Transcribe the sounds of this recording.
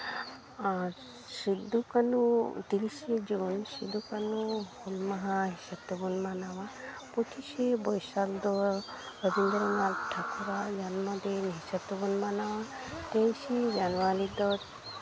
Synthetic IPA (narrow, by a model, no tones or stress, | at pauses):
sid̪ukɐnut̪iliʃid͡ʒunsid̪ukɐnuhulmɐɦaɦiʃɐt̪ːubunmanaʋa | put̪ʰiʃebɔjsakd̪o | ɾəbind̪ɾɐŋalʈʰakuɾad͡ʒanmɐd̪enɦiʃɐt̪ubunmanaʋa | t̪ejʃid͡ʒanʋaɾid̪ɔt